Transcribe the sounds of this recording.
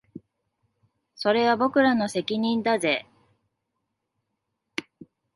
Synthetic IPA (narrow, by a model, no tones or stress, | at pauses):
so̞ɾe̞βabo̞kɯ̟ɾano̞se̞kʲiɲ̟ĩnd̪aze̞